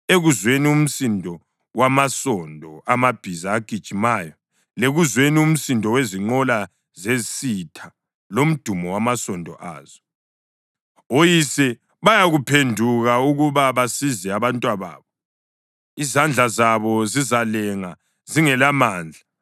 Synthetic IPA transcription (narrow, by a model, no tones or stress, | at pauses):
eɣuzwenium̩sindʱɔ | wamasɔndʱɔamab̥ʱizaːɡ̥ʱid̥ʒ̥ʱimaːjɔ | leɣuzwenium̩sindʱɔweziŋ͡ǃɔla | zesitʰa | lom̩d̥ʱumɔwamasɔndʱɔ̰ʔa̰ːz̥ɔ | ojisɛ | βajaɣupʰendʱuɣauɣuβaβasizɛaβantʼwaβa̰ːβɔ | izand͡ɮʱazaβɔzizalɛŋa | ziŋɛlamaːnd͡ɮʱa